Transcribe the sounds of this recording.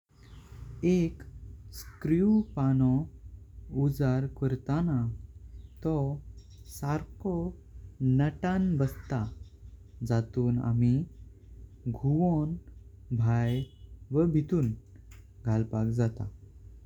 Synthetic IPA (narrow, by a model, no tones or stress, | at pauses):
ekskɾjupanɔ | ud͡zaɾkəɾt̪ana | t̪ɔ | saɾkɔ | nəʈanbəst̪a | d͡zat̪uːna̰mi | ɡʱuʋon | bʱajʋəbʱit̪uːn | ɡʱalpakd͡zat̪a̰